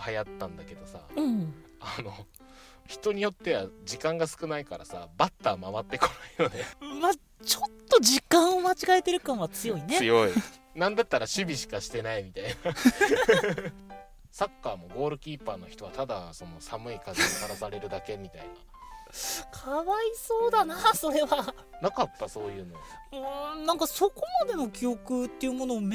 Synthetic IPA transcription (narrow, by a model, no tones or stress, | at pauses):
hajat̪ːãnd̪ake̞d̪o̞sa̰ɯ̃ | ano̞ | çi̥t̪o̞ɲ̟ijo̞t̪ːe̞βad͡ʑikãŋɡasɨ̥kɯ̟naikaɾa̰sa̰bat̪ːamaβat̪ːe̞ko̞naino̞ne̞ma | t͡ɕo̞t̪ːo̞d͡ʑikãɰ̃omat͡ɕiɡaet̪e̞ɾɯ̟kãɰ̃βat͡sɨjo̞ineɨjo̞inãnd̪at̪ːaɾaɕɨbʲiɕi̥kaɕi̥t̪e̞naimʲit̪aina | sakːaːmo̞ɡo̞ːɾɯ̟kʲiːpaːno̞çi̥t̪o̞βat̪ad̪a̰so̞no̞samɯ̟ikazeokaɾasaɾe̞ɾɯ̟d̪ake̞mʲit̪a̰ina̰ | kʰaβaiso̞ːd̪anaːso̞ɾe̞βa | nakat̪ːaso̞ːjɯ̟ːnoɯ̟̃nãŋkaso̞ko̞mad̪e̞no̞kʲijo̞kɯ̟t̪ːe̞iɯ̟mo̞no̞ːm